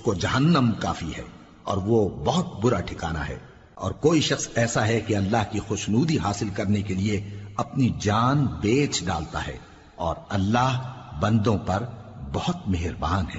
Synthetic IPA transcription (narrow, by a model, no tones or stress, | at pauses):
ʊskod͡ʒɐɦənːəmka̰ːfiɦɛ̰ː | ɔ̰ːɾʋobɔɦʊt̪̚bʊɾaʈʰɪkaːna̰ɦɛ̰ː | ɔ̰ːɾkoːiʃɐxsɛːsaɦɛkeɐlːaːɦkixʊʃnuːd̪iɦaːsɪlkɐɾnekelieɐpnid͡ʒaːnbeːt͡ʃɖa̰ːlt̪a̰ɦɛ̰ː | ɔ̰ːɾɐlːaːɦbɐ̃nd̪õpɐɾbɐhʊt̪meɦɪɾbaːnɦɛː